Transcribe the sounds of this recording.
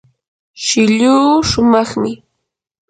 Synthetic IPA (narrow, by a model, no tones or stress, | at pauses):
ʃɪʎuːʃʊmɑχmɪ